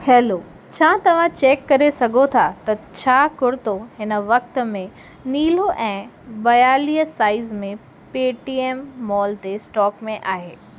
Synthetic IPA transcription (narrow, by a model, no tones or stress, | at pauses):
hɛːloː | t͡ɕʰãːt̪ɐʋ̤ãt͡ɕeːkːɐɾesɐɡʱot̪ʰat̪ɐt͡ɕʰaːkʊɽɪt̪oɦɪnə̆ʋɐk̚t̪̆mẽ | niːloʔɛ̃ː | bɐjaːliːəsaːɪzmẽ | peːʈiːeːmːɔːlt̪esʈɔːkmẽʔaːɦeː